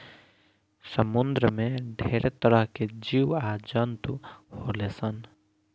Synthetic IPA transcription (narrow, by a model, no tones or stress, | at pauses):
səmund̪ɾəmẽɖʱeːɾet̪əɾəɦked͡ʒiwad͡ʒənt̪uholesən